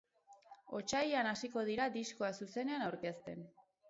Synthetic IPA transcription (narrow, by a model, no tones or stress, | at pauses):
o̞̰t͡ʃajanasiko̞ðiɾad̪isko̞asuse̞ne̞anawɾke̞st̪e̞̰n